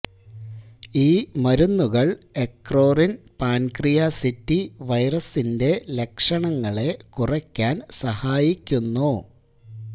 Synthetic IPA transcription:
iːmɐɾunːuɣɐɭe̞kro̞ːrinpaːnkrijasitːiʋɐjrɐsinde̞le̞kʂɐɳɐŋːɐɭe̞kurɐkʲːaːnsɐhaːjikʲːunːo

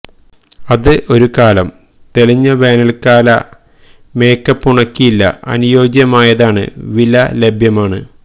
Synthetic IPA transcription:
ɐðɨʔo̞ɾukaːlɐm | t̪e̞liɲːɐʋe̞ːnɐlkaːlɐ̰ | me̞ːkːɐpːuɳɐkːijilːɐ̰ʔɐ̰nujo̞ːɡjɐmaːjɐðaːɳɨ̰ʋilɐle̞bʱjɐmaːɳɨ

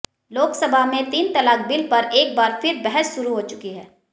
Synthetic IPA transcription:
loːksɐbʱaɦmẽt̪iːnt̪ɐlaːk̚bɪlpɐɾʔeːk̚baːɾfɪɾbɛɦɛsʃʊɾuɦoːt͡ʃʊkiɦɛː

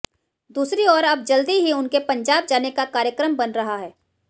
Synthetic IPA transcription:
d̪uːsɾiɔːɾɐb̚d͡ʒɐld̪iɦiʊnkepɐ̃ɲd͡ʒaːb̚d͡ʒaːnekakaːɾjəkɾəmbɐnɾɐɦaɦɛː

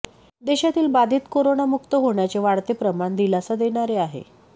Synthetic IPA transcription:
d̪eɕat̪iːlbad̪ʱiːt̪koɾonamukt̪əɦoɳjat͡seʋaɽt̪epɾəmaɳd̪ilat͡sad̪eɽ̃aɾeaɦḛ

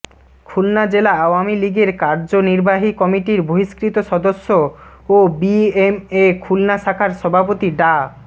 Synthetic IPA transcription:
kʰulnad͡ʑelaawamiliɡeɾkaɾd͡ʑoniɾbaɦikɔmiʈiɾbʱoɦiʃkɾit̪oʃɔd̪oʃːo | obiemekʰulnaʃakʰaɾʃɔbʱapot̪iɖa

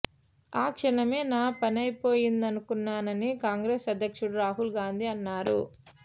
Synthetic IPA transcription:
aːkʂɐɳɐmeːnaːpɐnɐjpo̞ːjind̪ɐnukunːaːnɐnikaːŋɡɾeːsɐd̪ʱjɐkʂuɽuɾaːɦulɡaːnd̪ʱiɐnːaːɾṵ

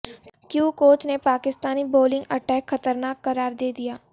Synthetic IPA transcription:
kjuːkoːt͡ʃnepaːkɪst̪aːniboːlɪ̃ŋɡəʈɛːkʰːət̪əɾnaːkːəɾaːɾd̪eːd̪ijaː

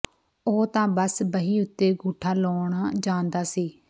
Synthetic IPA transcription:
oːt̪ãːbəsbəɦiːʊt̪ːeːɡuːʈʰaːloːɳaːd͡ʒãːnd̪aːsiː

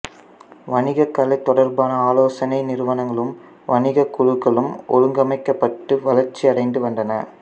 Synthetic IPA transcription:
ʋɐnɪɣɐkːɐlɐɪt̪ːɔɽɐɾbaːnɐaːloːsɐnɐɪnɪɾɯʋɐnɐŋɡɐɭɯm | ʋɐnɪɣɐkʊɻɯkːɐɭɯmʔɔ̰ɻɯŋɡɐmɐɪkːɐpːɐʈːɯʋɐlɐɾt͡ʃːiɐɽɐɪnd̪ɯʋɐnɖɐnɐ̰

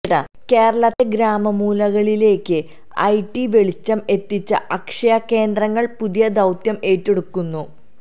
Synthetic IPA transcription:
ɽɐ̰ | ke̞ːɾɐɭɐt̪ːe̞ɡɾaːmɐmuːlɐɣɐɭile̞ːkːɨ | ɐ̰jʈːiʋe̞ɭit͡ɕːɐme̞t̪ːit͡ɕːɐ̰ʔɐkʂɐjɐkːe̞ːnd̪rɐŋːɐɭpuðijɐd̪ɐwt̪jɐme̞ːtːeɽukːunːu

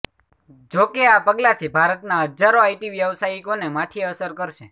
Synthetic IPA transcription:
d͡ʒokeapəɡlat̪ʰibʱaɾət̪naɦəd͡ʒaɾoaiʈiʋjəʋsaikonemaʈʰiəsəɾkəɾʃe

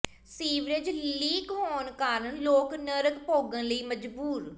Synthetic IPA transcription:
siːʋɾɪd͡ʒliːkɦoːnkaːɾənloːknəɾəkpoːɡãːləiːməd͡ʒbuːɾ

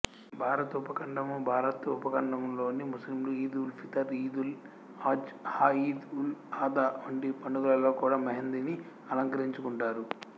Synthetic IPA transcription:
bʱaːɾɐt̪upɐkɐɳɖɐmubʱaːɾɐt̪upɐkɐɳɖɐmlo̞ːnimuslimluiːd̪ulpʰit̪ɐɾiːd̪ul | aːd͡ʒhaːiːd̪ulaːd̪aɐɳɖipɐɳɖuɡ̪ɐlɐlo̞ːkuːɽaːmɐɦɐnd̪ini | ɐlɐŋkɐɾiɲt͡ʃukuɳʈaːɾu

